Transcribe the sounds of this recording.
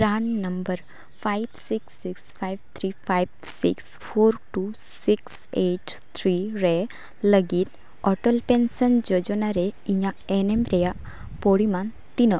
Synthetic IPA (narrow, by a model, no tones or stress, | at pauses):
pɾanːəmbəɾ | fʰajbsiksiksfajbt̪ʰɾifʰajbsiks | fʰoːɾʈu | siks | eʈt̪ʰɾiɾe | ləɡit̪ | ɔʈəlpensənd͡ʒɔd͡ʒonaɾeiɲã | enemɾeja | poɽiman | t̪inə